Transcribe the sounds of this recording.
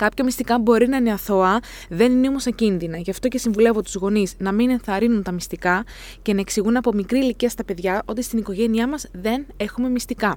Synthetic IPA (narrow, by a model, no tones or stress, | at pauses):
kɐpçɐmist̪ikɐbo̞ɾinɐineɐθo̞ɐ | ðe̞nineomo̞st̪ɐcinðinɐʝɐft̪o̞ce̞siɱvule̞vot̪uzɣo̞niznɐmine̞nθɐɾinunt̪ɐmist̪ikɐ | ce̞nɐe̞ksiɣunɐpo̞mikɾiːliciɐst̪ɐpe̞ðʝɐʔo̞t̪ist̪iniko̞ʝe̞niɐmɐzðe̞ne̞xume̞mist̪ikɐ